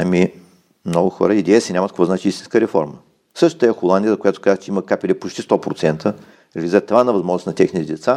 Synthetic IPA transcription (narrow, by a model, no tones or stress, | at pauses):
ɐmi | mnɔɡʊxɔ̰ɾəid̪ɛjɛsɛnʲamɐt̪kvɔznat͡ʃiist̪ĩnskəɾɛfɔ̰ɾmə | sɤʃt̪ot̪aɛxolˠand̪iəzəkojat̪ʊ̥kazvət͡ʃɛiməkapilʲɛpot͡ʃt̪ist̪ɔpɾot̪sɛnt̪ʰə | ɾɛvʲizət̪ɐvanɐvɐzmɔʒnsnɐt̪ɛxnit̪ɛd̪ɛt̪sa